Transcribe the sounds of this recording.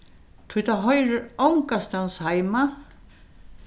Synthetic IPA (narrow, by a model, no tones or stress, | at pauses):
t̪ʰut̪aɦɔjɾʏawŋkast̪anshajma